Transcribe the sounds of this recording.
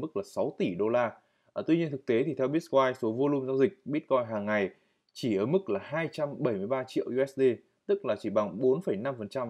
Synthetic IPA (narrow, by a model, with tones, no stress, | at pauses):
mɨ˦˥k̚laː˨˩sa˨˦wt̪i˧˩ɗo˧laː˧˨˩ | t̪wi˧ɲi˧ənt̪ʰɨ˨˩k̚t̪e˨˦t̪i˨˩t̪ʰɛ˧wɓi˦˥t̚kwaː˧jso˨˦vo˧lu˧mzaː˧wzï˨˩k̟̚ɓi˦˥ət̚kɔ˧jɦaː˨˩ŋːa˨˩j | t͡ɕi˧˩ʔəː˧˩mɨ˦˥k̚laː˨˩haː˧jt͡ɕa˧mɓə˧˩jmɨ˧əjɓaː˧t͡ɕḭ˧˨əwʔu˧ʔɛ˦˥ɗe˧ | t̪ɨ˦˥k̚laː˨˩t͡ɕi˧˩ɓa˨˩ŋɓo˨˦nfə˧˩jna˧mfə˨˩nt͡ɕa˧m